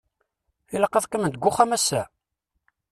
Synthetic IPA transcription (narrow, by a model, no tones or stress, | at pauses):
θilɑqːɑθkæmənt̪əɡʷːʊχæmæsːæ